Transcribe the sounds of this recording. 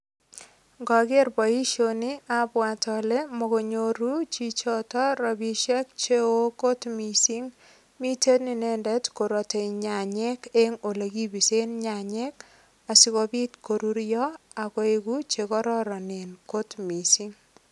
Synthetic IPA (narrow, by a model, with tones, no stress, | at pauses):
ŋɡɔ˨ɡe˦rbɔ˨i˦ʃoni˦abwa˨tɔle˦mɔ˨ko˨ɲoɾu˦t͡ʃit͡ʃɔtɔ˦ɾɔ˨bi˦ʃɛ˦k̚t͡ʃe˦o˦ko˦tmisiŋ | mi˦te˦tni˨nɛ˦ndɛ˦tko˨ɾo˨te˨ɲa˨ɲɛkeŋo˨le˨ɡi˦bi˨se˦nɲa˨ɲɛ˦k | a˨si˦kobi˦tkoɾuɾjɔ˦a˨kɔ˦eɡut͡ʃekɔɾɔɾɔ˨ne˨nko˦tmi˨si˦ŋ